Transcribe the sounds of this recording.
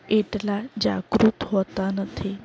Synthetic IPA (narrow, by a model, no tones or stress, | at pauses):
eʈlad͡ʑa̰ɡɾut̪ɦot̪anət̪ʰi